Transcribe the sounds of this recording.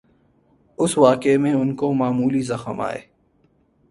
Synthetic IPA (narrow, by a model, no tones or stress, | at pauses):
ʊsʋaːkemẽʊnkomaːmuːlizɐxəma̰ːḛː